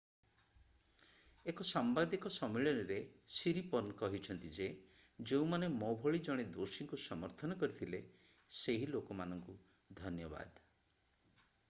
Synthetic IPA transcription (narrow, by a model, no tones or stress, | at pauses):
ekɔsambad̪ikɔsɔmeɭɔnɔɾe | siɾipɔnkɔɦit͡ʃʰɔnt̪id͡ʒe | d͡ʒeũmanemɔbʱɔɭid͡ʒɔɽ̃ed̪osiŋkusɔmɔɾt̪ʰɔnɔkɔɾit̪ʰile | seɦilokɔmanɔŋku | d̪ʱɔnjɔba̰d̪